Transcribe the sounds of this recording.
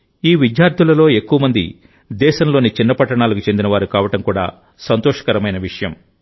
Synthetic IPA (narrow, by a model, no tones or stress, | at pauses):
iːʋid̪jaːɾt̪ʰulɐlo̞ːe̞kːuʋɐmɐnd̪ḭ | d̪ɛːʃɐmlo̞ːnit͡ʃinːɐpɐʈːɐɳaːlukut͡ʃe̞nd̪inɐʋaːɾukaːʋɐʈɐmkuːɽa̰ː | sɐnt̪ɔːʂɐ̥kɐɾɐmɐjnɐʋiʂɐjɐm